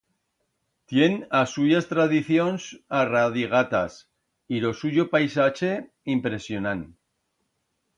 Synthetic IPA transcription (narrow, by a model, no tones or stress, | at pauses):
t̪je̞nasuʝast̪ɾaðiθjo̞nsaraðiɣ̞at̪as | ilo̞suʝo̞pajsat͡ʃe̞ | impɾe̞sjonan